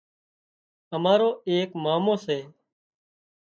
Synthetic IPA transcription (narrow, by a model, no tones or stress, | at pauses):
əmaːɾoːeːkmaːmõːseː